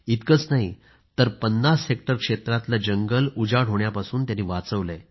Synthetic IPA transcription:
it̪kət͡snaɦi | t̪əɾpənːasek̚ʈəɾkʂet̪ɾãt̪lad͡ʑəŋɡəlud͡ʑaɽ̤ɦoɳjapasuːnt̪janiːʋat͡səʋle

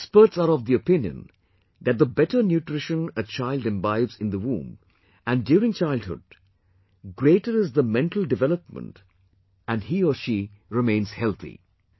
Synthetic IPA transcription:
ɛspəɾʈsaɾɔʋd̪iəpɪ̃njə̰̃n | d̪æt̚d̪əbɛʈənjuʈɾɪʃə̃nət͡ʃaɪlɖɛ̃mbaɪvzɪ̃nd̪əwṵ̃m | ʔæ̃ndjuːɾɪ̃ŋt͡ʃaɪlˠd̚hʊ̰d̚ | ɡɾeɪʈəɾɪzðəmɛ̃nʈəl̩ɖɪvɛləp̚mə̰̃nt | æ̃nɖhiːəʃi | ɾɪmẽɪ̃nz̥hɛlˠt̪ḭ

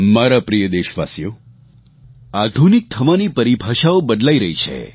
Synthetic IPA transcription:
maɾapɾijəd̪eʃʋa̰sjo | ad̪ʱunik̚t̪ʰəʋanipəɾibʱaʃaobəd̪laiɾəɦit͡ʃʰḛ

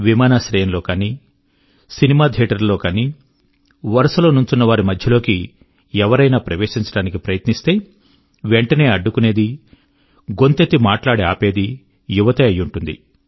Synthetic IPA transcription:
ʋimaːnaːsɾɛːjɐnlo̞ːkaːniː | sinimaːd̪ʱeːʈɐɾlo̞ːkaːniː | ʋɐɾɐsɐlo̞ːnuɲt͡ʃunːɐʋaːɾimɐd̪ʱjɐlo̞ːki | ɛʋɐɾɐjnaːpɾɐʋe̞ːʂiɲt͡ʃɐɽaːnikipɾɐjɐt̪nist̪e̞ː | ʋeɳʈɐne̞ːɐɖːukune̞ːd̪i | ɡo̞nt̪et̪ːimaːʈlaːɽeaːpe̞ːd̪i | juʋɐt̪ɐɐjːuɳʈund̪ḭ

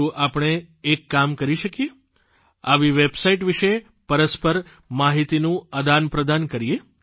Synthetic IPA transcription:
ũʔapɳ̃eː | kːamkəɾiʃəkije | aʋiʋebsaiʈʋiʃe | pəɾəspəɾ | maɦit̪inũəd̪anpɾəd̪ankəɾije

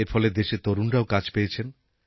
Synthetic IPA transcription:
eɾfɔled̪eʃet̪oɾunɾaokad͡ʑpejet͡ɕʰen

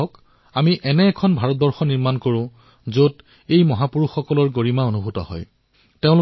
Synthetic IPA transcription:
ɔk | amiʔɛnɛːkʰɔnbʱaɹɔt̚bɔɹxɔniɹmankoɹʊ̃ | zot | ejmɔɦapuɹuxːɔkɔlɔɹɡoɹimaonubʱutɔ̰hɔ̰j | teʊ̃lʊ

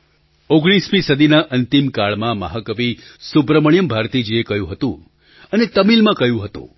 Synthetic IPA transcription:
oɡɽ̃ismĩsəd̪ʱinaʔənt̪imkaɭmãməɦəkəʋisubɾəməɳ̃jəmbʱaɾt̪id͡ʒiekəjũɦət̪ṵ̃ | ənet̪əmilmãkəjũɦət̪ṵ̃

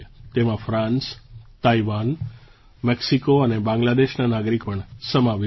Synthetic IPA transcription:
t̪emãfɾãnst̪aiʋan | mɛksikoənebãŋɡlad̪eʃnanaɡɾikpəɳsəmaʋ

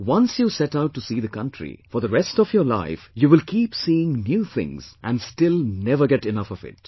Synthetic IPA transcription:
wʌ̃nsjusɛʈaʊʈːusiːðəkʌ̃ntʰɹḭfɔɾðəɾɛstɔvjəːla̰ɪfjuːʋɪlkʰiːpsiɪ̃ŋnjuːθʰɪ̰̃ŋz̥ʔæ̰̃nstɪlˠnɛvə˞ɡɛʈɪnʌfɔvɪ̰t̚

